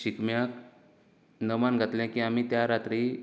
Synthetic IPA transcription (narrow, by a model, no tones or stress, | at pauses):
ɕikmjak | nəmanɡʱat̪lɛ̃kiːam̤iːt̪jaɾat̪ɾi